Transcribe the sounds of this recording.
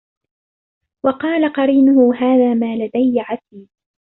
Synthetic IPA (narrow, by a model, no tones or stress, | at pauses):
wɑqɑːlaqɑɾiːnʊhʊɦaːðaːmaːlad̪ajʕasiːd